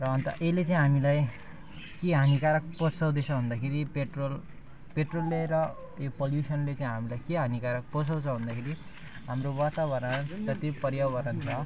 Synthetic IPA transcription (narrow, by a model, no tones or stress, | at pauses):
rʌʌnt̪ʌʔelet͡sãĩɦamilaj | keɦanikaɾak̚pʌt͡sʰʌw̃d̪et͡sʰʌɦund̪akʰeɾipeʈrol | peʈrolːeɾʌ | jopʌljusʌnlet͡sãĩɦamilajkeɦanikaɾʌk̚pʌsʰʌw̃t͡sʰʌɦund̪akʰeɾi | ɦamrowat̪abʌrmad͡zʌt̪ipʌɾjawbʌɾʌnt͡sʰʌ